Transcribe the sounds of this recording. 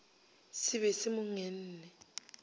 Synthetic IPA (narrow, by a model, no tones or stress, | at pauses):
sɪβɛsɪmʊŋɛn̩ːnɛ